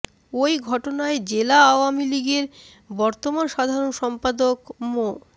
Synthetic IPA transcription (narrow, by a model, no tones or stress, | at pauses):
ojɡʱɔʈonaed͡ʑelaaoamiliɡeɾ | bɔɾt̪omanʃad̪ʱaɾonʃɔmpad̪okmo